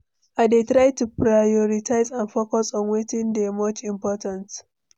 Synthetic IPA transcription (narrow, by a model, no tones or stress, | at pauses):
ʔadetɾajtupɾajoɾɪtʰajzanfokɔsɔnwetɪndemot͡ʃʔɪmpɔːtɐnt